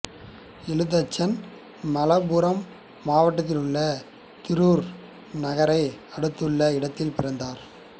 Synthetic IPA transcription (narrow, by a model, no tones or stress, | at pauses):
ɪlɯðɐt͡ʃːɐn | mɐlɐbuːɾɐmː | aːʋɐʈːɐt̪ːɪlɯɭːɐ | t̪ɪɾuːɾ | nɐɣɐɾɐɪɐɽɯt̪ːɯɭːɐɪɽɐt̪ːɪlpɪɾɐnd̪aːɾ